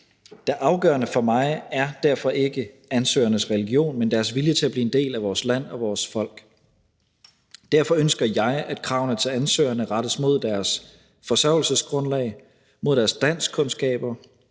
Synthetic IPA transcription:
d̥eʔɑ̈ʊɡ̥ɶ̰ɐnəfɒ̽mɑ̈ɪæɐd̥æɐfɒ̽ʔe̝ɡ̥əænsø̰ːɐnəsʁɛliɡ̥io̝̰ːnmend̥æɐsʋiljət͡sʰe̝læb̥liːe̝nd̥e̝̰ːlæʋɒːslæn̰ɒ̽ʋɒːsfɒ̽l̰ɡ̥ | d̥æɐfɒ̽ønsɡ̥ɐjɑ̈ɪæd̥kʰʁɑ̈ʊn̩ət͡sʰɛːænsø̰ːɐnəʁɑ̈ɾ̥əsmo̝ð̞̰ˠd̥æɐs | fɒ̽sɶɐʊ̰l̩səsɡ̥ʁɔ̽nlɛ̰ɪ | mo̝ðˠd̥æɐsd̥æn̰skʰɔ̽nsɡ̥ɛ̰ːb̥ɐ

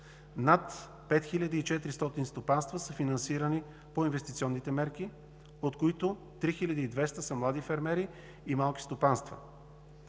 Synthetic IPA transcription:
nat̪ | pɛt̪xilʲəd̪iːt͡ʃɛt̪ɾist̪ɔt̪inst̪opanst̪vəsəfinɐnsiɾəni | poinvɛst̪it̪siɔnːit̪ɛmɛɾki | ot̪koit̪ʊ | t̪ɾixilʲəd̪iːd̪vɛst̪əsəmlˠad̪ifɛɾmɛɾiː | malˠki̥st̪opanst̪və̰

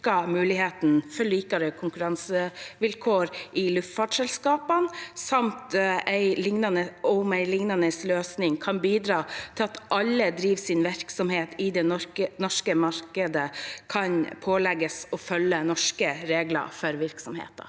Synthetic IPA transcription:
kɑmʉːlɪheːt̪n̩fɔliːkɑɾəkʰʊŋkʉɾɑnsəʋɪlkʰoːɾʔɪlʉft̪fɑːʈʂɛlskɑːpənsɑmt̪æɪlɪŋnɑnəʊmæɪlɪŋnɑnəsløːsnɪŋkʰɑnbiːd̪ɾɑːt̪ʰɪlɑt̪ʔɑlːəd̪ɾiːʋsɪnʋæɾksɔmheːt̪ʰɪd̪ɛənɔʂkəmɑɾkəd̪əkʰɑnpʰoːlɛɡəsɔfœlːənɔʂkəɾeːɡlɑ̰fɔɾʋɪɾksɔmhḛːt̪ɑ̰

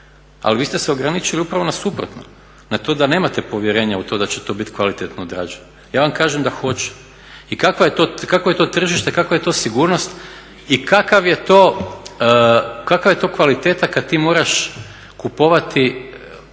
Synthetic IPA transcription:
a̰liʋiːst̪eseo̞ɡɾanit͡ʃiliupɾaʋo̞nasupɾo̰t̪no̰ | nat̪o̞ːd̪ane̞ːmat̪e̞po̞ʋjeɾe̞ːɲaut̪o̞d̪at͡ɕet̪o̞bit̪kʋalit̪et̪nood̪ɾa̰ːd͡ʒeɲ | jaːʋamkaːʒemd̪axo̞t͡ɕe̥ | ikakʋajet̪o̞kakʋoje̞t̪o̞t̪r̩ʒiʃt̪ekakʋaje̞t̪o̞ːsiɡuːɾno̞st̪ | ikakaʋjet̪o̞ː | kakaʋjet̪o̞ːkʋalit̪eːt̪akad̪̚t̪iːmoːɾaʃ | kupo̞ʋat̪i

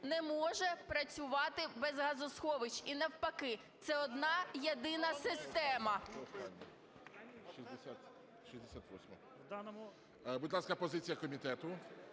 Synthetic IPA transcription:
nɛmɔʒɛpɾɐt͡sʲʊʋɑt̪ɪbɛzɦɐzɔsxɔʋɪt͡ʃinɛwpɐkɪ | t̪sɛɔd̪nɑjed̪ɪnɐsɪst̪ɛmɐɔst̪a̰lʲnʲɐ | ʃizʲd̪esʲat̪ | ʃizʲd̪esʲat̪ʋɔ̰sʲmɐ | wd̪ɑnɔmʊ | buʊd̪lˠɑskɐpɔzɪt͡sʲijɐkɔmʲit̪ɛt̪ʊ

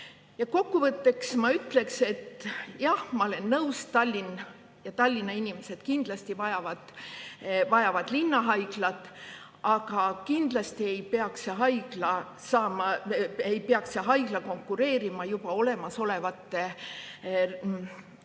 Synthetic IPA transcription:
jɑko̞kːuvɤt̪ːe̞ksmɑyt̪ːˑle̞kse̞t̪ːjɑhmɑo̞le̞nːɤwst̪ɑlʲːin | jɑt̪ɑlʲːinɑinʲime̞se̞d̪̥kind̪̥lɑst̪ivɑjɑvɑd̪̥ | vɑjɑvɑd̪̥linːɑɦɑjɡ̥lɑt̪ːˑ | ɑɡ̥ɑkind̪̥lɑst̪ie̞jpeɑkseɦɑjɡ̥lɑ | sɑːmɑejpeɑkseɦɑjɡ̥lɑko̞ŋkːˑuɾe̞ːɾimɑjub̥ɑo̞le̞mɑso̞le̞vɑt̪ːe̞

